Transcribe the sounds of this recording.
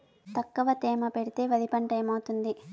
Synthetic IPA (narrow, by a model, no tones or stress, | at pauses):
t̪ɐkːɐʋɐt̪ɛːmɐpeɽit̪e̞ːʋɐd̪ipɐɳʈɐjmɐwt̪und̪i